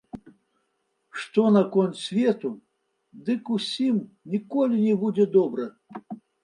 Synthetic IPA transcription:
ʂt̪ɔnɐkɔnt̪sʲvʲɛt̪u | d̪ɨkusʲimnʲikɔlʲinʲɛbud͡zʲɛd̪ɔbɾɐ

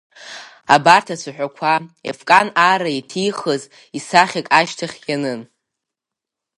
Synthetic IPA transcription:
a̰bartʰasʷʰaħᶣʷakʷʰaḛfkʼanaɾaitʰijχəz | isaχʲakʼaʃtʰaχʲjanɨn

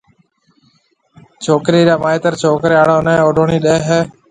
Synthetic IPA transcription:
t͡ʃʰoːkɾiːɾaːmaːeːt̪əɾt͡ʃʰoːkɾeːaːɽãːnẽːoːɖʱoːɳiːɗeːɦɛː

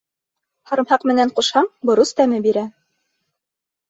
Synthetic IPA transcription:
hɑɾɤ̆mhɑqmɘ̆næɴquʃhɑɴbŏɾust̪æmɘbiɾæ

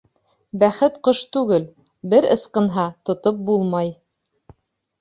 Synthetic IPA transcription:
bæχɘt̪qɤʃt̪ʉɡɘl | bɘɾɤ̰̆sqɤ̆nɦɑt̪ŏt̪op̚bulˠmɑj

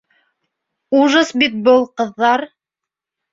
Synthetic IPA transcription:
uʒɤsbit̪̚bɤlˠqɤ̆ðːɑɾ

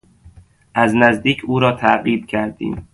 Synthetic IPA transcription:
ʔæznæzd̪iːcʰuːɾɒːt̪ʰæʔɣiːb̪cʰæɾd̪ḭːm

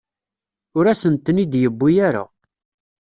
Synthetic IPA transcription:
ʊɾæsənt̪ənid̪jəbːijaɾa̰

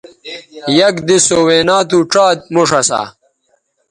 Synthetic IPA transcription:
jɐkd̪isoweːnaːt̪uʈ͡ʂaːt̪̚moʂɐsa̰ː

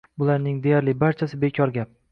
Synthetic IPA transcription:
bʊlaɾnɪŋd̪e̞jaɾlɪbaɾt͡ʃʰasɪbe̞kʲʰɒɾɡʲap̚

